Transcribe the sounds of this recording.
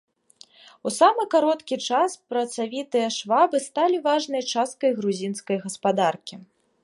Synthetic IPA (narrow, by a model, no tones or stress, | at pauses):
usamɨkaɾɔt̪kʲit͡ʂaspɾɐt̪savʲit̪ɨjɐʂvabɨst̪alʲivaʐnɨjɐt͡ʂast̪̚kɐjɣɾuzʲinskɐjɣɐspad̪arkʲi